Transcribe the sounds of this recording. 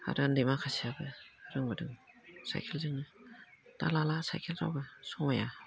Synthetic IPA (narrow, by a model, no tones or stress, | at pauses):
a̰ɾɯndemakʰasiabɯaɾɯŋmɯdɯŋsa̰jkʰelzɯŋnɯta̰lalasa̰jkʰelɾa̰wɡɯsɔŋmaja